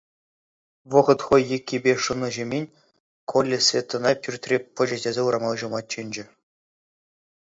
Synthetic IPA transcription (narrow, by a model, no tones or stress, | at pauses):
ʋɤ̆ʁɤ̆t̪χojːekʲːibʲeʂɯnɤ̆ʑemʲenʲ | kʰolʲːesʲvʲet̪ːɤ̆nɑpʲyrʲt̪ʲrʲepɤ̆d͡ʑedʲezʲeuɾɑmɑlˠʑɤ̆mɑt̪̚t͡ɕenʲd͡ʑɘ̆